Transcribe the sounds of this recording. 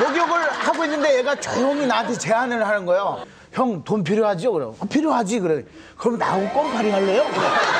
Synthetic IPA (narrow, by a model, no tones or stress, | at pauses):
mʌɡjoɡɯɭhaɡoinːɯnde̞jeɡat͡ɕʌjoŋinatʰet͡ɕe̞ɦanɯɭɦanɯnɡʌejo | çjʌŋtonpʰiɾjoɦad͡ʑiokɯɾḛʌpʰiɾjoɦad͡ʑikɯɾe | kɯɾʌmnauk͈ʌnpʰaɾiɦaɭːe̞jokɯɾʌ